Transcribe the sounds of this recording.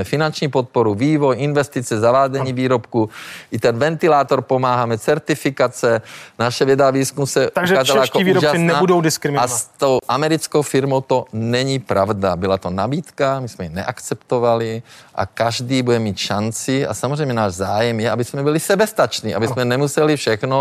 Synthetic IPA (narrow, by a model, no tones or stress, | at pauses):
ɛfinant͡ʃɲipot̪̚poɾuviːvojʔinvɛst̪it͡sɛzavaːd͡zɛɲiːviːɾopkuʔit̪ɛnvɛnt̪ilaːt̪oɾpomaːɦaːmɛt͡sɛɾt̪ɪfikat͡sɛnaʃɛvjɛdaaviːskumsɛaɡʒɛaːzalajakoiːviɾoʒasɪnɛaudowdɪskɾɪmɪast̪owʔamɛɾit͡skowfɪɾmowt̪onɛɲipɾavdabɪlat̪onabiːt̪kamismɛjinɛ̰ʔakt͡sɛpt̪ovaliʔa̰kaʒd̪iːbudɛmiːt̪ʃant͡sɪa̰samozrɛjmɲɛnaːʒzaːjɛmjɛabɪsmɛbilisɛbɛst̪at͡ʃniːabɪssmɛnɛmusɛlifʃɛxno